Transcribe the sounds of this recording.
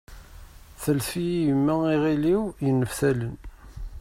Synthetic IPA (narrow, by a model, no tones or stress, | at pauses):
θəlfijjəmːæiʁiliwjənːəfθælən